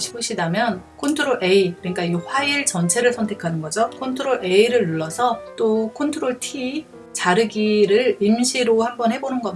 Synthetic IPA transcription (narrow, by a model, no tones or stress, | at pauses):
ɕʰi̥pʰoɕ͈ʰidamjʌn | kʰontʰɯɾoɭʔeikɯɲik͈aɸwaiɭt͡ɕʌnt͡ɕʰe̞ɾɯɭsʰʌntʰe̞kʰanɯnɡʌd͡ʑokʰontʰoɾoɭʔe̞iɾɯɭːuɭːʌsʰʌt͈okʰontʰoɾoɭtʰi | t͡ɕaɾɯɡiɾɯɭimɕʰiɾohambʌnhe̞bonɯnɡʌ